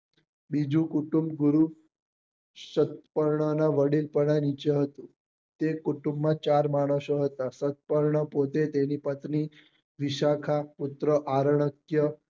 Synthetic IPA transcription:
bid͡ʑũkuʈumbɡuɾu | sət̪̚pəɾɳənaʋəɽiːlpəɽ̃anit͡ɕeɦət̪ũ | t̪ekuʈumbːat͡ɕaɾmaɽ̃osoɦət̪asət̪̚pəɾɳəpot̪et̪eniːpət̪ni | ʋiɕakʰaput̪ɾəʔaɾɳəkjə

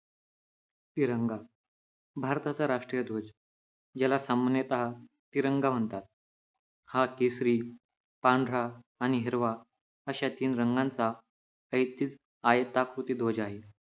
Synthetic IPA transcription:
t̪iɾəŋɡa | bʱaɾt̪at͡saɾaʂʈɾijəd̪ʱod͡ʑ | d͡ʑjalasamənjet̪aɦa | t̪iɾəŋɡam̤əɳt̪at̪̚ | hakesɾiː | pãɳɖʱɽaː | ɽ̃iɦeɾʋa | əɕat̪iːnɾəŋɡãnt͡sa | əjt̪ːiːt͡s | ajət̪akɾut̪iːd̪ʱod͡ʑaɦe

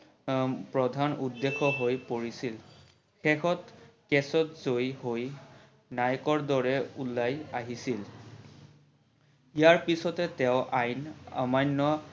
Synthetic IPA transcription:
pɹɔdʱanudːexʰɔɦojpoɹisil | xɛxɔtkɛsɔtzojɦoj | najkɔɹdɔɹɛulːajaɦisil | ijaɹpisɔtɛtɛʊʔajna̰majnːɔ

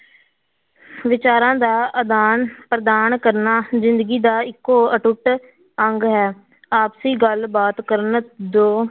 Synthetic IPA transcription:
ʋɪt͡ʃaːɾãːd̪aːəd̪aːnpɾəd̪aːnkəɾnaːzɪnd̪əɡiːd̪aːɪkːoːəʈʊʈ | əŋɡɦɛː | aːpsiːɡəlbaːt̪kəɾənd̪oː

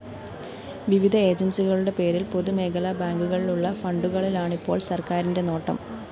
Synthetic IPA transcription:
ʋiʋid̪ʱɐe̞ːd͡ʑɐnsiɣɐɭuɽe̞pe̞ːɾilpo̞ðume̞ːɡɐlɐbaːŋɡuɣɐɭiluɭːɐfɐɳɖuɣɐɭilaːɳipːo̞ːɭsɐrkaːɾinde̞no̞ːʈːɐ̰m

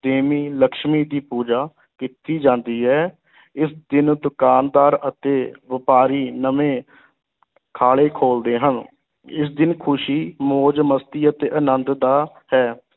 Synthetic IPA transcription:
d̪eːmiːləkʃmiːd̪iːpuːd͡ʒaː | kɪt̪iːd͡ʒãːnd̪iːɦɛː | ɪsd̪ɪnd̪ʊkaːnd̪aːɾət̪eːʋɪpaːɾiːnəmẽː | kʰaːɭeːkʰoːld̪eːɦən | ɪsd̪ɪnkʰʊʃiːmoːd͡ʒməst̪iːət̪eːʔənənd̪d̪aː | hɛː

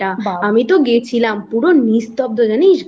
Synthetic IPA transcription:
aəmit̪oɡet͡ʃʰilampuɾonist̪ɔp̚d̪od͡ʒəniʃ

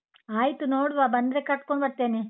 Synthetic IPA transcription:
aːjt̪unoːɽuʋaːbɐnd̪ɾekɐʈ̚koɳbɐɾt̪eːni

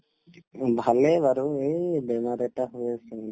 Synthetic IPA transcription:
bʱaleʋaɾuebɛmaɾɛʈaɦuesɛ

